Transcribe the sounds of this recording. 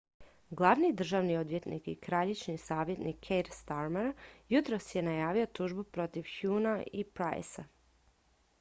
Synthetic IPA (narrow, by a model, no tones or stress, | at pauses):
ɡlˠaʋnid̪r̩ʒaːʋnio̞d̪ʋje̞t̪nḭkikɾaʎet͡ɕnisaːʋje̞t̪nikʰːejɾst̪aɾmeɾjut̪ɾosje̞najaːʋio̞t̪uʒbupɾo̞t̪iʋxjunaipɾa̰j̰sa